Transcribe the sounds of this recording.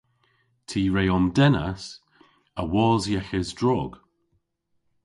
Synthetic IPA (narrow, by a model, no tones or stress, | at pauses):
tʰiːɹejɔmdɛna̰s | əwɔːzjɛxɪzdɹɔːɡ̥